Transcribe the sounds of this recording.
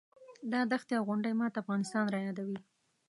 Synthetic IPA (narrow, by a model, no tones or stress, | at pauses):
d̪ɑd̪axt̪jawɣʊɳɖajmɑt̪aːfɣɑnɪst̪ɑnɾɑjɑd̪awi